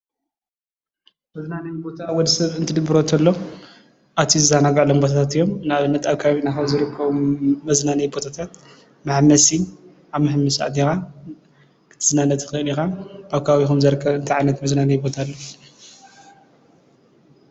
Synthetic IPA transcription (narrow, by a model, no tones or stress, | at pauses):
mɐznanɐjbo̞t̪ʰawɔd̪ɐsɐβɨnt̪ʰɨd̪ɨbɨɾo̞t̪ʰɐlːo | ʔat̪ʰijizɨzanaɡɐʕlombot̪ʰat̪ʰat̪ɨjːo̞mnaβɨnːɐt̪aβkʰaβinaxɐzɨɾɨkʰːɐβuːɐznanɐjbo̞t̪ʰat̪ʰat̪ | maħmɐsi | ʔaβmɨħmɨsa̰t̪ixa | kʰɨ̥t̪ʰɨ̥znanɐt̪ʰxɨɨlixaʔaβkʰawixumzɐɾɨkʰːɐβɨnt̪ʰiʕajnɐt̪mɐznanɐjbo̞t̪ʰalːo